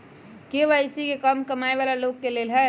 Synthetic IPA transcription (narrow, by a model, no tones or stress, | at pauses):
keʋəɪsikekəmkəmaeβalalokːelelɦɛ